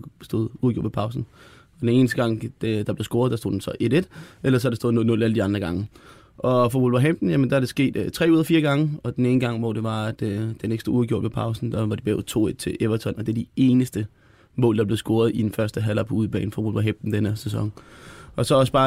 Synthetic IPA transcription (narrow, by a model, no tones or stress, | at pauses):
sd̥o̝ːð̰ˠuðˠɡo̰dʋ̥ʰe̥pʰɑ̈ʊsn̩ | ɒd̥ene̝ːnəsd̥əɡ̥ɑ̈ŋ̰̥d̥ɑ̈b̥le̝sɡ̥o̝ɐðˠd̥ɑso̝̰ːd̥en̩sɒ̽ʔe̝ɾe̝d̥elɐs̬ɒædɾesd̥o̝ðˠn̰ˠno̽lˠæləd̥iɑ̈nd̥ʁɐɡ̥ɑ̈ŋə | ʔɒ̽fɒʋulʋɐɦemd̥n̩jæmənd̥ɑɐɾ̥e̝sɡ̥e̝̰ːd̥t͡sʰʁɛ̰ːuːðˠɐfiːɐɡ̥ɑ̈ŋəɒ̽d̥eneːnəɡ̥ɑ̈ŋ̰ʋɒ̰ːd̥e̝ʋɑ̈d̥d̥eneɡ̥sd̥oːuðˠɡ̥o̰ɐ̥ʋepʰɑ̈ʊsn̩d̥ɑ̈ʋɑ̈d̥ib̥ɛ̰ːʊt͡sʰo̝̰ːed̥t͡sʰe̝ʔeʋɐt͡sʰɒ̽nɒd̥eɐd̥ie̝ːnəsd̥ə | mɔ̰̽ːld̥ɑble̝ð̩ˠsɡ̥o̝ːɐð̞̩ˠid̥enfɶɐsd̥əɦælɑpʰɒuð̞ˠb̥ɛ̰ːn̩fɒʋulʋɐɦemd̥n̩d̥enəsesɒ̽ŋɒ̽sɒ̽ɒ̽sə̥b̥ɑ̈ː